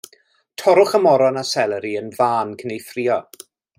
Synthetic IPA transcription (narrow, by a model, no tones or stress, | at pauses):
tʰɔɾʊχəmɔɾɔnasɛlˠəɾiənvaːnkʰənejfriːɔ